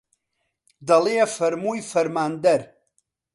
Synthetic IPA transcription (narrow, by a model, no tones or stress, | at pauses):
daleafɛrmujfɛrmandɛr